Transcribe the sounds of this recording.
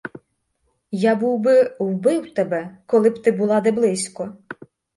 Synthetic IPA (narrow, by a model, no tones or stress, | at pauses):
jabuwbɪwbɪwt̪ɛbɛkɔlˠɪpt̪ɪbulˠɑd̪ɛblˠɪsʲkɔ